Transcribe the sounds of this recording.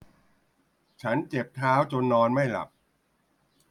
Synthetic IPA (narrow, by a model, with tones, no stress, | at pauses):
t͡ɕʰa˦˥nt͡ɕe˨˩p̚t̪ʰaː˦˥wt͡ɕo˧nːɔː˧nma˥˩jla̰˨˩p̚